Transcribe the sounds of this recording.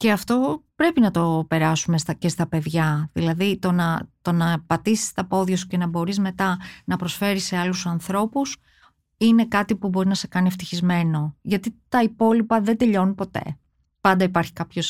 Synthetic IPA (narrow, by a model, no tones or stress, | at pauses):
ce̞ɐft̪o̞pɾe̞pinɐt̪o̞pe̞ɾɐsume̞st̪ɐce̞st̪ɐpe̞ðʝɐðilɐðit̪o̞nɐt̪o̞nɐpɐt̪isi̥st̪ɐpo̞ðʝɐsu̥ce̞nɐbo̞ɾizme̞t̪ɐnɐpɾo̞sfe̞ɾise̞ɐlusɐnθɾo̞pus | ine̞kɐt̪ipubo̞ɾinɐse̞kɐnift̪içizme̞no̞ʝɐt̪it̪ɐipo̞lipɐðed̪e̞ʎo̞nupo̞t̪e̞̰ | pɐnd̪ɐipɐɾçi̥kɐpço̞s